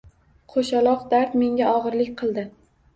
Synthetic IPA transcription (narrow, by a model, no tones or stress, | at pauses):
qʰoʃalˠɒqd̪aɾt̪me̞ŋɡʲaʔɒʁɨɾlɪkʲqʰɨlˠd̪ɪ